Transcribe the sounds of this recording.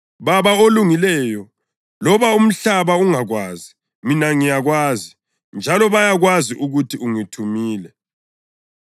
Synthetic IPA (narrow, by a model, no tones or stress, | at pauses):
βaβaoluŋilɛːjɔ | lɔβaum̩ɬaβauŋaɣwaːzi | minaŋijaɣwaːzi | nd͡ʒʱalɔβajaɣwaziʔuɣutʰiuŋitʰumiːlɛ